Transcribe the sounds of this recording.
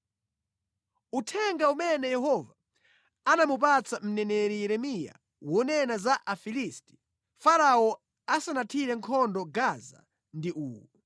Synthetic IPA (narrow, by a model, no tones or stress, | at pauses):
utʰɛŋɡaumɛnɛjɛhɔva | anamup̬at͡sam̩nɛnɛɾijɛɾɛmija̰ | wɔnɛnazaʔafilisti̥ | faɾawɔ | asanatʰiɾɛŋkʰɔndɔɡaza̰ | ndiʔuːwɔ